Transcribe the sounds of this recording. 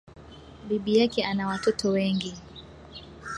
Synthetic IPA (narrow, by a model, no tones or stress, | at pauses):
biɓijakɛanawatɔtʰɔwɛŋɡi